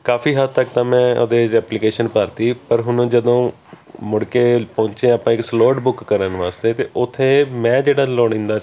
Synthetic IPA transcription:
kaːfiːɦət̪̚t̪əkt̪ãːmɛ̃ːʔo̰d̪eːɛːplikeːʃənpəɾt̪iːpəɾɦʊnõːd͡ʒəd̪õː | mʊɽkeːpɔ̃ːɲt͡ʃẽːaːpãːɪksloːʈbʊkːəɾənʋaːst̪eːt̪eːʔʊt̪ʰːeːmɛ̃ːd͡ʒeːɽaːloːɽ̃ĩːnd̪aː

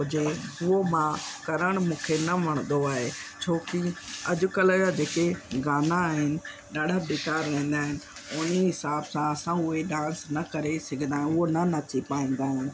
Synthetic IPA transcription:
d͡ʒeʊɦomãːkəɾəɽ̃mũːkʰenəməɽ̃d̪oaːɦeːt͡ʃʰoːkiɐʄʊkələɡad͡ʒeːkeɡaːnaːɦɪnɪ | ɗaːɖʱabeːkaːɾːɛ̃ːĩːn̆d̪aːɦɪnɪ | ʊniɦɪsaːbsãɐsãʊɦeɗãːnsnɐkəɾesɐɡʱnd̪aːɦɪ̃ʊɦonənət͡ʃipaːĩːnd̪aːɦɪn

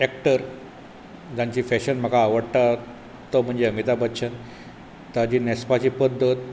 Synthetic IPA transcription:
ɛk̚ʈəɾ | d͡ʑãɲt͡ɕiːfɛɕənm̤əkaːʋəɽt̪a | t̪om̤əɳd͡ʑeəmit̪abʱət̪ːɕʰən | t̪ad͡ʑinɛspat͡ɕiːpəd̪ʱːət̪̚

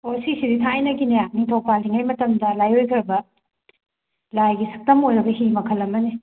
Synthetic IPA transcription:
osisiditʰaijnɐɡineak̚nitʰowpaldiŋajmɐtɐmdɐlajojkʰɐɾɐbɐ | lajɡisɐk̚tɐmojɾɐbɐɦimɐkʰɐlːɐmɐne

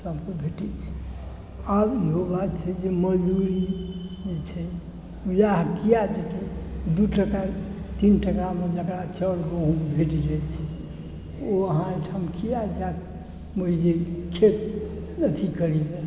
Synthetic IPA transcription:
səbkebʱeʈɛt͡ʃʰɛ̥ | abiɦobat̪̚t͡ʃʰɛd͡ʒeməd͡ʒd̪uɾid͡ʒet͡ʃʰɛ | ujaɦkijad͡ʒek̪ed̪uʈəkat̪inʈəkamed͡ʒəkɾat͡ʃəlbəɦũmebʱeʈid͡ʒəjt͡ʃʰɛ | oəɦãeʈʰamkijad͡ʒak̪̚ | məd͡ʒekʰet̪ | nət̪ʰikəɾid͡ʒa

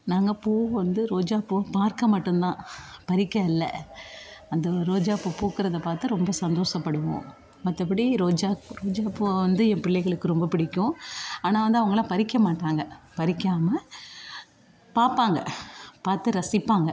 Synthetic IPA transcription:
naːŋɡɐpoːʋɐnd̪ɯɾoːd͡ʒaːpːoːpaːɾkɐmɐʈːɯnt̪ãːpɐɾɪkːɐɪlːɐ̰ | ɐnd̪ɐɾoːd͡ʒaːpoːpoːkɯɾɐðɐpaːɾt̪ɯɾɔmbɐsɐnd̪oːʂɐpːɐɽɯʋõ̰ː | mɐt̪ːɐp̬ɐɽiɾoːd͡ʒaːkɾoːd͡ʒaːpːoʋɐnd̪ɯɛpɪɭːɛɪɣɐɭɯkːɯɾɔmbɐpɪɽɪkʲːʊ̃aːnaːʋɐnd̪ɯɐʋɐŋɡɐlãːpɐɾɪkːɐmaːʈːaːŋɡɐpɐɾɪkːaːmɐ | paːɾpaːŋɡɐpaːɾt̪ɯɾɐsɪpːaːŋɡɐ

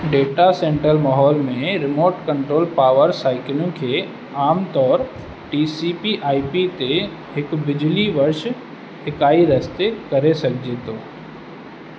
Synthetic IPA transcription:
ɖeːʈasẽːɳʈɾəlmaːɦɔːlmẽɾɪmoːʈkə̃ɳʈɾoːlpaːʋəɾsaːɪkɪlũkʰeː | aːmt̪ɔːɾ | ʈiːsipiʔaːipit̪e | ɦɪkbɪd͡ʒliʋɐɾʃ | hɪkaːiɾɐst̪ekɐɾesɐkʰd͡ʒet̪oː

